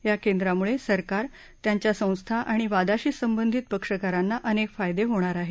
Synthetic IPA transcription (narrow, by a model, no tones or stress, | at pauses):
jakend̪ɾamuɭesəɾkaɾ | t̪jaɲt͡ɕjasə̃w̃st̪ʰaʔaɽ̃iʋad̪aɕiːsəmbənd̪ʱit̪̚pəkʂəkaɾanːaʔənekfajd̪eɦoɽ̃aɾaɦe